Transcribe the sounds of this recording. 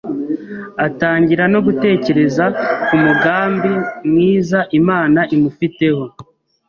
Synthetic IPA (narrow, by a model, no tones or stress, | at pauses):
ataːɲɟiɾano̞ɡute̞ːce̞ɾe̞zakumuɡaːmbimŋiːzaʔimaːnaʔimufite̞ho̞